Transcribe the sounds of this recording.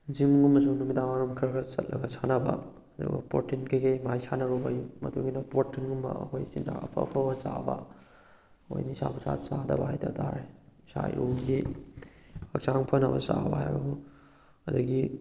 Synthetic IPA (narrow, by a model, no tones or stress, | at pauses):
zimɡumɐs̬unumidawaɾumkʰiɾɐɡɐsɐtlʔɐɡɐsanɐbɐ̰ | ɐdṵbɐ̰potinkɐjɡejmajsanɐɾubajumɐduɡinɐpotinɡumːɐ̰ɐhojsinda̰ɐpʰɐ̰pʰɐbɐsabɐ | ojnisabusa̰sadɐbaajdɐdaɾesa̰jɾuɡi | hɐk̚t͡ʃaŋpʰɐnɐbɐ̰sabɐhajbɐbu | ɐduɡi